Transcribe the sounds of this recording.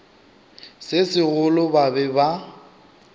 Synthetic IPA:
sɪsɪɣʊlʊbabɛba

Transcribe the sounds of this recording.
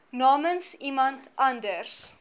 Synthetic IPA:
nɑːmənsimɐntʰʔɐndərs

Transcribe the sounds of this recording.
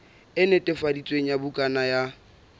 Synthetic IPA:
ɪnetʼɪfadit͡sʼweŋ̩jabʊkʼanaja

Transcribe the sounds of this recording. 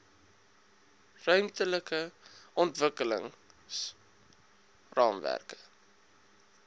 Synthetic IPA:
rœɥmtələkəɔntvəkələ̰ŋs | rɑːmvæ̰rkə̥

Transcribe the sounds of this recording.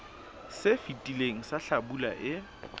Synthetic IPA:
sɪfitʼileŋ̩saɬabula̰ʔɪ

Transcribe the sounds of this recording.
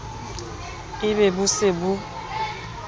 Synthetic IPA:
iβebusebu

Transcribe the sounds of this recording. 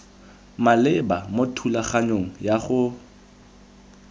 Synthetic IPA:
malɪbamotʰulaχaɲoŋ̩jaχʊ

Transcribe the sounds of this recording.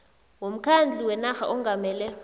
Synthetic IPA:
wom̩kʰand͡ɮʱiwɛnaxa̰ʔɔŋɡʱamɛːlɛ

